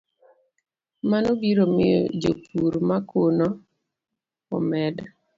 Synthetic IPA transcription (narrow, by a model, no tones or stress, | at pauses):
manobiɾomɪ̰jɔ̰d͡ʒo̰pʰuɾmakʰonɔ | ɔ̰mɛda